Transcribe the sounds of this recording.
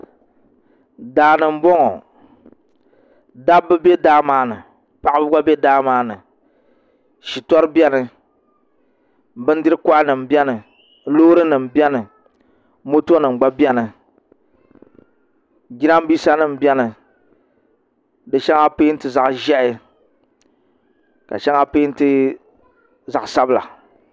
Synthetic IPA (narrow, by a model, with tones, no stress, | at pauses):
daː˨nɨ˨m̩˨˦bɔ˦ŋɔ˨ | da˦bːɨ˦be˦daː˦maː˨˦nɨ̰˨ | pa˨ʔɪ˦bɨ˦ɡ͡ba˦be˦daː˦maː˦nɨ˨ | ʃi˨tɔ˦ɾɨ˦bɛ˦nɨ˨ | bɨ˦n˦dɨ˦ɾɨ˦kɔ˦ʔa˦nɨ˨m̩˨bɛ˦nɨ˨ | loː˦ɾɨ˦nɨ˨m˨bjɛ˦nɨ˨ | mo˦to˦nɨ˨ɡ͡ba˦bjɛ˦nɨ˨ | ɡi˦ɾa˦m˦biː˦sa˦nɨ˦m˨bɛ˦nɨ˨ | dɨ˨ʃɛ˦ŋa˦pe˦n̩˦tɨ˨za˨ʔʒɛ˦ʔɪ˦ | ka̰˨ʃɛ˦ŋa˦pe˦n̩˦tɨ˦ | za˨sa˦bɨ˦la̰˨